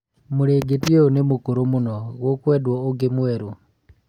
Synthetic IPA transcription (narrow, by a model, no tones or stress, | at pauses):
muɾeːɡetieonemukuɾomunɔɣokwɛdwɔoɡemwɛɾo